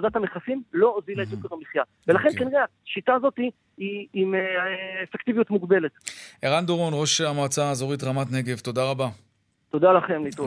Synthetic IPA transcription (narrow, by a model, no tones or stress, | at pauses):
od̪at̪hameχafimlo̞ozilaet̪ʃukeʁamiχja | velaχe̞nkaniʁea | ʃit̪aːzo̞t̪i | iimeefekt̪ivijut̪muɡbe̞let̪ʔeʁand̪oʁo̞nʁo̞ʃamat͡sazoʁit̪ʁamat̪ne̞ɡe̞vt̪o̞daʁaba | t̪o̞d̪alaχe̞mlit̪o